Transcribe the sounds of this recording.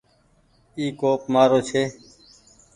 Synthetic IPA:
iːkoːpmaːɾoːt͡ʃʰeː

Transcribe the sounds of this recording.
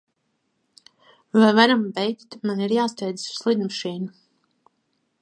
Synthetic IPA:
vajvaɾambɛjkt̪maniɾjaːst̪ɛjd̪zɨ̥su̥slˠid̪maʃiːnu

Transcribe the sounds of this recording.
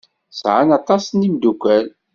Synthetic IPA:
sʕanɑt̪ˤɑsnimd̪ukʷæl

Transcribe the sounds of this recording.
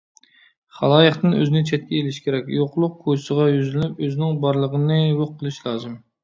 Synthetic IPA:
χɑ̰lˠɑːjəχt̪ɨnø̰zɪnɪt͡ʃʰɛt̪̚kʲɛelɪʃkʲeɾɛkʲjoqlˠʊq̚kʰosəʁɑjyzlnypøzɪnɪŋbɑɾlˠəʁənɨjoqʰːəlˠɨʃlˠɑːzɨm

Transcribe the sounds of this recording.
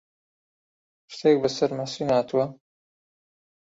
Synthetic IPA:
ʃt̪ʰek̚bɐsɐɾmɐsinaːt̪ʰuwɐ

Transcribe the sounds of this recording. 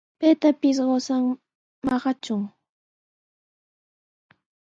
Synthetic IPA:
pejt̪apɪs̬ɢosaŋ | mɑɢɑt͡ʃʊŋ

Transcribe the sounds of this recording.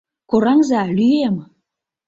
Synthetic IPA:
koɾaŋzalyjem

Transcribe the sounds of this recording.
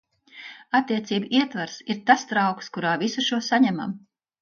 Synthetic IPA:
at̪ːiɛt̪siːbiɛt̪vaɾsiɾt̪ast̪ɾawkskuɾaːvisuʃuɔsaɲɛma̰m

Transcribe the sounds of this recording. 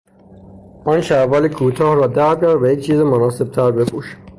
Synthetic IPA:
ʔɒːnʃævɒːlekʰuːt̪ʰɒːhɾɒːd̪æɾbɟæɾd̪væjec̚t͡ʃʰiːzemonɒːse̞b̥̚t̪ʰæɾbe̞puːʃ

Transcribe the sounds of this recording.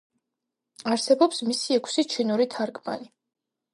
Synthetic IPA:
aɾsɛbɔpsmisiɛkʰsit͡ʃʰinuɾit̪ʰaɾkʰʼma̰ni

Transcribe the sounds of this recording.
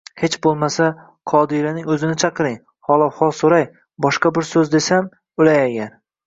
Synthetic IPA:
he̞t͡ʃbolˠmasa | qʰɒd̪ɪɾanɪŋɵzɪnɪt͡ʃʰɑqʰɨɾɪŋ | hɒlˠɒhɒlˠsoɾaj | bɒʃqɑbɪɾsɵzd̪e̞sam | ʊlajaɡʲan

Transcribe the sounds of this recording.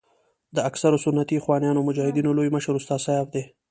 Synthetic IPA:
d̪əaksaɾosʊnːat̪ixwɑnjɑnomʊd͡ʒɑhɪd̪inolojməʃəɾust̪ɑːsajɑfd̪e

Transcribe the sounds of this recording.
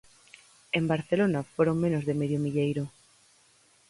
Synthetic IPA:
embaɾθelonafoɾoŋmẽnozðemeðjomiʎejɾʊ

